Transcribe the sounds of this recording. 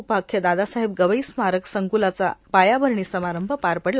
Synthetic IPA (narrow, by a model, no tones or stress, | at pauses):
pakʰːjəd̪ad̪asaɦeb̚ɡəʋəjsmaɾəksəŋkulat͡sa̰pajabəɾɳiːsəmaɾəmbʱəpaɾpəɽl